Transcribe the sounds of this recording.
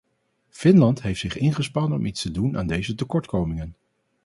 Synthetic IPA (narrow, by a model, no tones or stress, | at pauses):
fɪnlɑntɦejftsɪχɪnχəspɑnɔmitstəduna̰ːndejzətəkɔɹtkowmɪŋən